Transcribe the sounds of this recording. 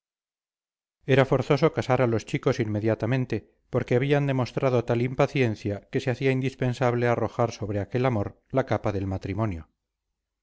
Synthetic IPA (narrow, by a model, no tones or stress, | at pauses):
e̞ɾafo̞ɾθo̞so̞kasaɾalo̞st͡ʃiko̞sinmːe̞ðjat̪amẽ̞nt̪e̞ | po̞ɾke̞aβ̞iand̪e̞mo̞st̪ɾaðot̪alimpaθje̞nθjake̞seaθiaind̪ispe̞nsaβle̞aro̞xaɾso̞βɾeake̞lamoɾ | lakapaðe̞lmat̪ɾimo̞njo